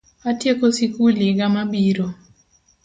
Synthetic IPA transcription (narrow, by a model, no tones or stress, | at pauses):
atjekosikuliɡamabiɾo